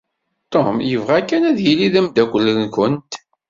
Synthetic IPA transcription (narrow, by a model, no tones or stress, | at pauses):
t̪omjəvʁækːænæðjiliðəmd̪ækʷəlːənkənt̪